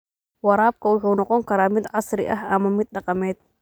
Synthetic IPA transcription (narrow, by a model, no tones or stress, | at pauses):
wɑɾɑːb̚kʰɐʊħuːnɔqɔŋkʰɐɾaːmɪd̪ʕɑsɾɪ̰ʔɐɦɐmɐmɪd̪̚ɖɑqɑmɛːd̪̚